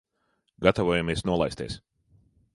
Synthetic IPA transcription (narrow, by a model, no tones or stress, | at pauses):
ɡat̪avoɔjamiɛsnuɔlˠajst̪ḭɛ̰ːs